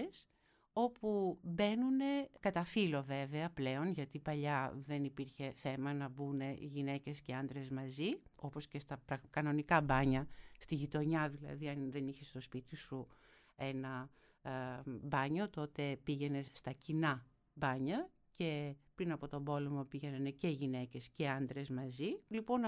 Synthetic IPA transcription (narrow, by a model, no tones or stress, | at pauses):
s | o̞pube̞nune̞kɐt̪ɐfilo̞ve̞veɐple̞o̞nʝɐt̪ipɐʎɐðe̞nipiɾçe̞θe̞mɐnɐbune̞ʝine̞ce̞sce̞ɐnd̪ɾe̞zmɐzio̞po̞sce̞st̪ɐpɾɐkɐno̞nikɐbɐɲɐst̪iʝit̪o̞ɲɐðilɐ̰ðiɐnðe̞niçest̪o̞spit̪isu | e̞nɐ | bɐɲo̞t̪o̞t̪e̞piʝe̞ne̞st̪ɐcinɐ | bɐɲɐ | ce̞pɾinɐpo̞t̪o̞bo̞le̞mo̞piʝenɐnece̞ʝine̞ce̞sce̞ɐnd̪ɾe̞zmɐzilipo̞n